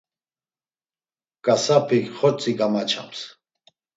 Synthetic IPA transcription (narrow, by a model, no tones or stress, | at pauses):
kʼasapʰɪχɔt͡sʼɪkamat͡ʃʰa̰ms